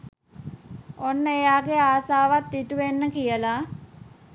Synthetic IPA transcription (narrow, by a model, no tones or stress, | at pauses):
onːəejaːɡeaːsaːʋat̪ːdiʈuʋenːəkijəla